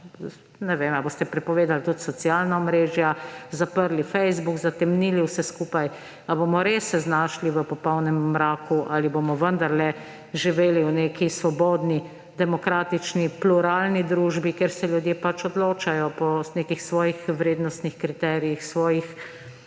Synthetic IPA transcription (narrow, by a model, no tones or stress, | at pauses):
nɛʋemaboːst̪ɛpɾɛpɔʋeːd̪alt̪ut̪sɔt͡s̪ijaːlnaɔmɾeːʒjazapəɾlifɛjzbukzat̪ɛmniliwsɛskuːpaj | aboːmɔɾesːɛznaːʃliʋəpɔpɔwnɛmːɾaːkuʔaliboːmɔʋənd̪aɾlɛ | ʒiʋeːliwneːkisʋɔbɔːd̪ni | d̪ɛmɔkɾaːt̪it͡ʃnipluɾaːlnid̪ɾuːʒbikeɾsɛljud̪jeːpat͡ʃɔd̪loːt͡ʃajɔpɔneːkixsʋɔːjixʋɾeːd̪nɔst̪nixkɾit̪ɛːɾijixsʋɔːjix